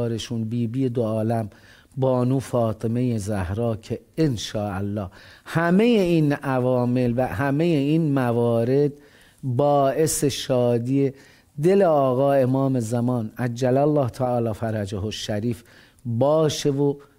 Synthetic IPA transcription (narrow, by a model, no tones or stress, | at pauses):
ɾeʃunbiːbiːjed̪oɒːlæm | bɒːnuːfɒːt̪ʰeme̞jezæhɾɒːcʰe | enʃɒːʔælːɒːhhæme̞jeiːnævɒːme̞lvæhæme̞jeinmævɒːɾe̞d̪̚ | bɒːʔe̞se̞ʃɒːd̪iːe | d̪e̞leɒːɣɒːe̞mɒːme̞zæmɒːnæd͡ʒːælælːɑːht̪ʰæɒːlɒːfæɾæd͡ʒæɦoʃːæɾiːf | bɒːʃevo